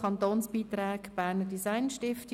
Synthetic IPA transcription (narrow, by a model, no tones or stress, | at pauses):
ɑnt̪oːnsb̥iːt̪ɾaːkb̥æːnədisaɪnʃtɪfti